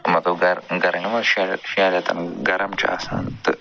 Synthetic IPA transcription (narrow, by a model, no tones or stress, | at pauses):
mɐt̪lɐbɡɐɾɡɐɾɐɲɐmɐʃʃijaːlat̪ɐ̰nɡɐɾɐmt͡ʃḭa̰ːsa̰ːnt̪ɨ